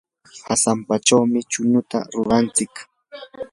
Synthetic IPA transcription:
hasampat͡ʃawmɪt͡ʃʊnʊt̪a̰ɾʊɾant͡sɪk

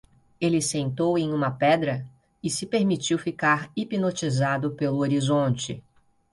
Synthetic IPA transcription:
elɪsẽnt̪owẽj̃ũmɐpɛd̪ɾɐ | ɪsɪpeɾmit͡ʃiwfikaɾipinot͡ʃizad̪ʊpelʊoɾizõnt͡ʃɪ̰

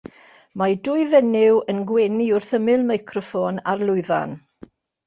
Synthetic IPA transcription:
madʊɨvɛnɪwənɡwɛniʊrθəmɪlˠmajkʰrɔfoːnarlˠʊɨða̰n

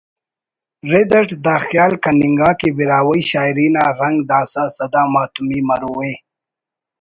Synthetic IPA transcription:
ɾed̪əʈd̪aːxjɑːlkanɪŋɡaːkebiɾaːwəjʃaːɪɾinaɾaŋɡd̪aːsasad̪aːmaːt̪ʊmimaɾuwe

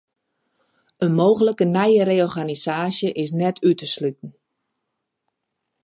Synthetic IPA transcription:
ənmoːɣələkənɛjəɾeːɔrɣanisaːsjəʔɪs̬nɛtʰytəslytn̩

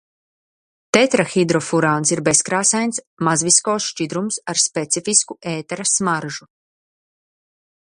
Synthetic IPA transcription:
t̪ɛt̪ɾaxid̪ɾɔfuɾaːnsiɾbeskɾaːsajns | mazviskoːsʃt͡ʃid̪ɾumsaɾspɛt̪sifiskuʔeːt̪ɛɾasmaɾʒu

